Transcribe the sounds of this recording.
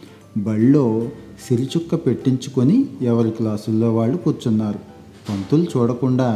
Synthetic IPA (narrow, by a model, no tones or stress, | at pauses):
bɐɭːo̞ː | siɾit͡ʃukːɐpe̞ʈːiɲt͡ʃukoniɛʋɐɾiklaːsulːo̞ːʋaːɭːukuːɾt͡ʃunːaːɾu | pɐnt̪ulut͡ʃuːɽɐkuɳɖaː